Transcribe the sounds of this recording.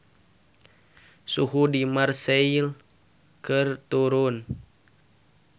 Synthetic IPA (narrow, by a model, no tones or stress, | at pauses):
suɦudimarseil | kʰərt̪uɾʊn